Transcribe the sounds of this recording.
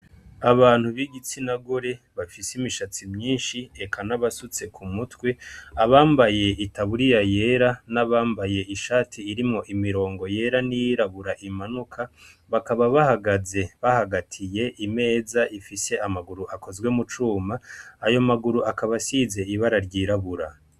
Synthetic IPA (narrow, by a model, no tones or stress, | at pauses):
aβaːn̥huβiɡit͡sinaɡo̞ɾe̞ | βafisimiʃat͡simɲiːnʃiekʰanaβasut͡se̞kʰumutweaβaːmbaje̞ʔitaβuɾijaje̞ːɾanaβaːmbaje̞iʃaːtʰiːɾimŋo̞ʔimiɾo̞ːŋɡo̞je̞ɾanijiɾaβuɾaʔimanukʰa | βakaβaβahaɡaze̞βahaɡatʰije̞ʔime̞ːzaʔifise̞amaɡuɾuʔako̞zɡwe̞mut͡ʃuːmaːjo̞maɡuɾuakaβasize̞iβaɾaɾɟiːɾaβuɾa